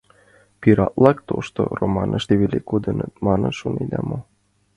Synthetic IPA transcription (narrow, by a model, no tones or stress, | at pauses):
piɾɑt̪lˠɑkt̪oʃt̪oromɑnʔəʃt̪eβelʲekod̪ɤnɤt̪̚mɑnənʃoned̪ɑmo